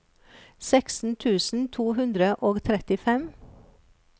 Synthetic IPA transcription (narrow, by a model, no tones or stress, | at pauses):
sɛksn̩t̪ʰʉːsn̩t̪ʰuːhʉnd̪ɾəʔoːɡt̪ʰɾɛt̪ɪfɛm